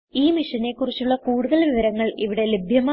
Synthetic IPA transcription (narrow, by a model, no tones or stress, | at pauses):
iːmiʂɐne̞kːurit͡ɕːuɭːɐkuːɽuðɐɭʋiʋɐɾɐŋːɐɭiʋiɽe̞lebʱjɐma